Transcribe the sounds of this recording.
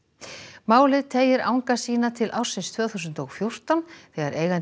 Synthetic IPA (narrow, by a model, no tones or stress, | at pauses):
maːwlɪðt̪ʰeːjɪɾa̰ːwŋkasiːnat̪ʰɪlʔawr̥sɪnst̪ʰvœːθusʏnt̪ɔɣfjowr̥t̪awnθɛɣaɾeːjɣan